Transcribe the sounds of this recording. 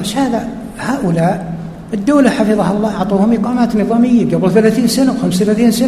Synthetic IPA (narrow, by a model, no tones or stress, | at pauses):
ɪʃhaːða | haːʔʊlaːʔ | ɪd̪ːoːlaħafɨðˤɑhɑlˤːɑːʊʕt̪ˤuːhʊmʔiqɑːmaːt̪nɨðˤɑːmɪjːaɡablθalaːθiːnsanawxamsθalaːθiːnsana